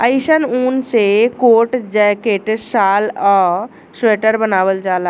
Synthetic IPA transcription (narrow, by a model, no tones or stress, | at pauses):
əɪsənunsekoʈd͡ʒɛkeʈsalɔ | seʈəɾbənaʋəld͡ʒala